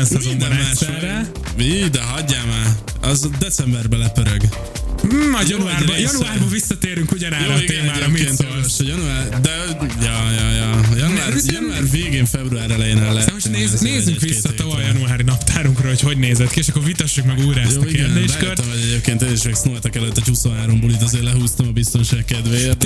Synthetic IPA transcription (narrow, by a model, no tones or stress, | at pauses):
ɛnsɛmznd̪ɛnɛɛɛɛ | id̪ɛɦɒɟːaːmaː | ɒzd̪ɛt̪sɛmbɛrbɛlɛpøɾøɡ̩ | ɒjɒnuaːaːrbjɒuaːrbɒvisːɒt̪eːɾyŋkuɟɒnaɾɔeːmaːɾɔmint̪oɔʃɔjɒnuaːrd̪ɛ | jɒjɒjɒjnuaːjɔnuaːrveːɡeːɱfɛbruaːɾɛlɛjeːnɛlːɦɛt̪ɛmoʃneːzneːzyŋkʋisːɒt̪ɒvɒjɒnuaːɾinɒpt̪ʰaːɾuŋkrɒɦo̞cho̞ɟneːzɛt̪kieːʃɒkːo̞rvit̪ɒʃːukmɛɡujɾaɛjoːɒkieɡːrnd̪eːʃkørt̪ːɛmoɟɛɟeːp̚keːnt̪eːniʃmɛksnolt̪ɒkɛløt̪ːɛchusonɦaːɾo̞mbolit̪ɑzeːrlɛɦuːst̪ɒmɒbist̪o̞nʃaːkkɛd̪ʋeːjet̪